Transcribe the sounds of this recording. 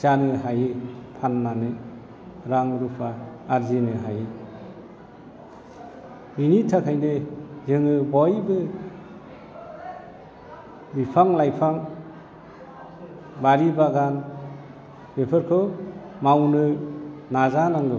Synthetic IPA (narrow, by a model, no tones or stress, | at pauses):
sanɯɦajɯpʰanːanɯ | ɾaŋɾupʰaːɾzinɯɦajɯ | minitʰakʰajnɯzɯŋɯbɔjbɯ | bipʰaŋlajpʰaŋ | baɾibaɡan | b̥epʰɯɾkʰɔ | mawnɯnazanaŋɡɯ